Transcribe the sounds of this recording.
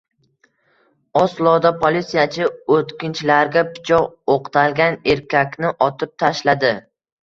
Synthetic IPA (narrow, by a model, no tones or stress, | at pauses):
ɒslˠɒd̪apʰolit̪sijat͡ʃʰɪot̪kʲɪnt͡ʃʰlaɾɡʲapʰɪ̥t͡ʃʰɒoqt̪ʰalɡʲane̞ɾkʲʰakʲnɪʔɒt̪ʰɪp̚t̪ʰaʃlad̪ɪ